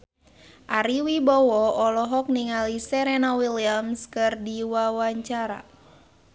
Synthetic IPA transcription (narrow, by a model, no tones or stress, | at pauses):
ʔaɾiwibɔwɔɔlɔɦɔk̚niŋalisɛɾenawiliamskɨrdiwawaɲt͡ʃaɾa̰